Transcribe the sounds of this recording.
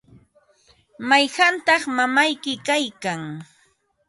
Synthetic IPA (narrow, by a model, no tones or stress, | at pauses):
majɢɑnt̪ɑχmamajkɪkajkaŋ